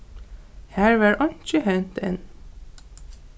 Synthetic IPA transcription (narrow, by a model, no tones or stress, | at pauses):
hæːɹʋæːɹʔɑnt͡ʃəhɛnt̪ḛn